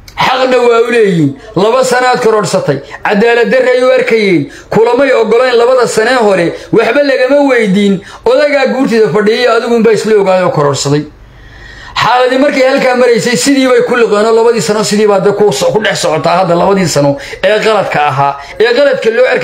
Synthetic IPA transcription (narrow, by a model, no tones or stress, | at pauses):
ħɑqnɐwaːʊlɛːjiːn | lɐβɐsɐnaːd̪̚kʰɔɾɔːɽsɐt̪ʰɛjʕɑd̪aːlɐd̪ɐrɛjʊɐrkʰɐjɛːn | kʰʊlɐmɐjɔɡɔlɛjnlɐβɐðɐsɐnɛːɦɔɾɛwɑħbɐlɐɣɐmɐwɛjd̪iːnɔðɐɣaːɡuːrt̪ʰɪðɐfɐɖɪjɐjɔɐðɪɣʊmbaːɪslɛɔɣaːjɔːkʰɔɾɔːrsɐðɛj | ħɑːlɐðimɐrkʰɛjhɐlkaːmɐɾɛjsɛjsɪðiːβɛjkʰʊlɪqɛːnɔlɐβɐðiːsɐnɔːsɪðiːβaːd̪ɛkʊskʰʊɖɛħsɔʕɔt̪ʰaːhɐd̪ːɐlɐβɐðiːsɐnɔ | ɛːqɑlɐd̪kʰɐːɦaː | ɛːqɑlɐd̪kʰɐlɔːɐr